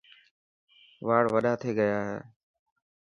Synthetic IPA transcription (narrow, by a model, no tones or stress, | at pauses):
ʋaːɽʋəɗaːt̪ʰeːɡəjaːɦḛː